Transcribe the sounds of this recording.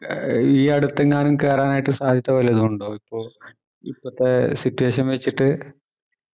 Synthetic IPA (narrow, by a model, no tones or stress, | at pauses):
iːɐɽut̪ːeŋːaːnumke̞ːraːnaːjiʈːɨsaːd̪ʱjɐt̪ːɐʋɐleɐðuuɳɖo̞ːipːo̞ːɭ | ḭpːɐt̪ːe̞sitːuʋe̞ːɕɐnʋet͡ɕːiʈːɨ